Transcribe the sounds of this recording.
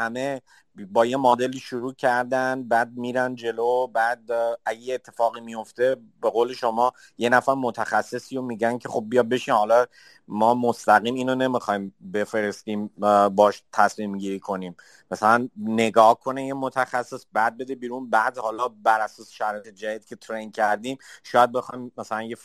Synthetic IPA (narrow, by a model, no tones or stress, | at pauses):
hæme̞ | bɒːjemɒːd̪e̞liːʃoɾuːcʰæɾd̪ænbæːd̪̚miːɾænd͡ʒe̞lobæːd̪̚æɟejeet̪ʰːe̞fɒːɣimijo̞ft̪e̞ | be̞ɣoːle̞ʃo̞mɒː | je̞næfæɾmo̞t̪ʰæxæsːe̞siːjomiɟæncʰe̞xo̞b̚ːijɒːd̪̚be̞ʃinhɒlɒ | mɒːmost̪æɣiːmiːnone̞mixɒjmbe̞fe̞ɾe̞st̪iːmbɒːʃt̪ʰæsmiːmɟiɾiːkʰo̞niːm | mæsælænːe̞ɡɒːhkʰo̞nejimot̪ʰæxæsːe̞sbæd̪̚be̞d̪ebiːɾunbæd̪hɒːlɒbæɾæsɒːse̥ʃæɾɒːjet̪ʰed͡ʒæd̪iːd̪̚kʰʲe̞t̪ʰɾejncʰæɾd̪iːmʃɔːjæd̪̚be̞xɒjmːæsælænje̞f